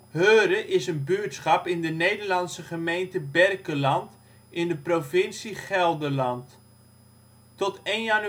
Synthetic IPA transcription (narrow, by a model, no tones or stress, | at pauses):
høːɾəʔɪsənbyətsχɑpɪndənejdəɹlɑnsəχəmejntəbɛrkəlɑnt | ɪndəprovɪnsiχɛlˠdəlɑnt | tɔtejnjan